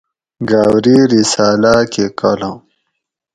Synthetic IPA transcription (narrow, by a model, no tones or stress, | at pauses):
ɡaːwɾiɾisaːlakekalãː